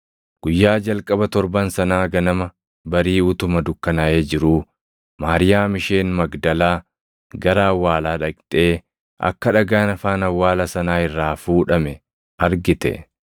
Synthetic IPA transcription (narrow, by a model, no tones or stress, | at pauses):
ɡ̥ʊjːaːd͡ʒɐlkʼɐbɐt̪ɔɾbɐnsɐnaːɡɐnɐmɐ | bɐɾiːʊt̪ʊmɐd̪ʊkːɐnɐʔeːd͡ʒɪɾuː | maːɾɪjaːmɪʃe̞ːnmɐɡd̪ɐlaː | ɡɐɾaːwːaːlaːᶑɐkʼt̪ʼe̞ː | ʔɐ̰kːɐᶑɐɡaːnɐfaːnɐwːaːlɐsɐnaːɪrːaːfuːᶑɐmɛ | ɐɾɡɪt̪ɛ̰